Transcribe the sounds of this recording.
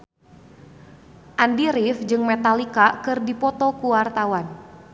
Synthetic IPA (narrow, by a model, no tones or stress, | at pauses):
ʔandiɾifd͡ʒɨŋmɛt̪alikakɨrdipɔt̪ɔkuwart̪awan